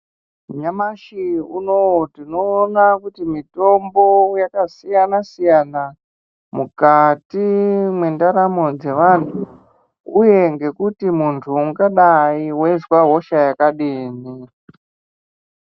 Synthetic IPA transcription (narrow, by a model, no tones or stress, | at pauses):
ɲamaʃiuno̞wtino̞ːnakutimito̞mbo̞jakasijanasijana | mukatimwe̞ndaɾamo̞d͡ze̞ʋantʰu | uje̞ŋɡe̞kutimuntʰuuɡaɗaiwe̞ʐwaɦo̞ʃajakaɗiːni